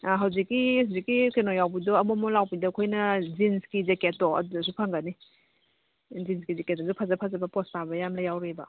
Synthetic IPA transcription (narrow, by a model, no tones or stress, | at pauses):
aɦawzikːihazikːikenojawbidɔɐmumɔlawbidɐkʰojnɐzinskizeketːɔɐ̰dudɐs̬upʰaŋɡɐni | zinskizeketːɔsupʰazɐpʰazɐbɐpɔstabɐjamlajawɾebɐ̰